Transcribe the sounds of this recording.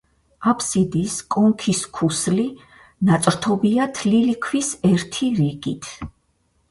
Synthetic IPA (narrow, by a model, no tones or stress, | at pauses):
apʰsid̪iskʼɔŋkʰiskʰusli | nat̪sʼɾt̪ʰɔbiat̪ʰlilikʰwisɛɾt̪ʰiɾiɡit̪ʰ